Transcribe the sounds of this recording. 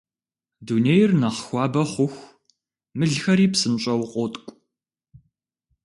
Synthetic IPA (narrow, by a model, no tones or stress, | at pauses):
duneːjrnɐχxʷɑːbɐχʷʊxʷ | mɨɮxɐɾiːpsɨmɕʼɐwqʷʼɔːtʼkʷʼ